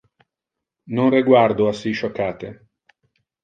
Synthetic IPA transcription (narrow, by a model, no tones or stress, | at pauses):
nonriɡward̪oasːiʃokːaːt̪e